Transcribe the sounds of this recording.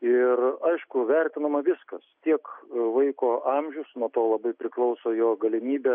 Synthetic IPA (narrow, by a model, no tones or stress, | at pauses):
ɪrɐɪʃkʊʋʲɛrʲt̪ʲɪnɐmɐʋʲɪskɐst̪ʲiɛkʋɐɪkoːʔɑmʲʒʲʊsnuɔt̪oːlˠɐbɐɪpʲɾʲɪklˠɐʊsoːjoːɡɐlʲɪmʲiːbʲɛ